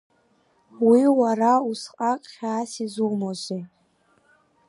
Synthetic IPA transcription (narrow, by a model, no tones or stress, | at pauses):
wiwarausqʼaqʼχʲaːsizumozʷi